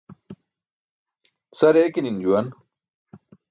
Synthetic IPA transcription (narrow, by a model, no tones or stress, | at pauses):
sɐɾeːkinind͡ʑuwɐn